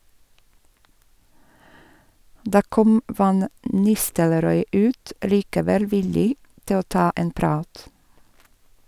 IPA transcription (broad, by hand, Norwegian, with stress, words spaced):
ˈdɑː ˈkɔm ˈfɑn ˈnɪstəlɾɔʏ ˈʉːt liːkəˈʋɛl ˈʋɪlɪ ˈtɪ ˈoː ˈtɑː ˈeːn ˈpɾɑːt